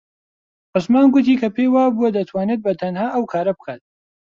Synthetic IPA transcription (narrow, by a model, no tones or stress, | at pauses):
qɨsmaːnɡʊt̪iːkʰɐpʰeːjwaːbuɐd̪ɐt̪ʰwaːneːd̪̚bɐt̪ʰɐnhaːʔɐwkʰaːɾɐbɨkʰaːt̪̚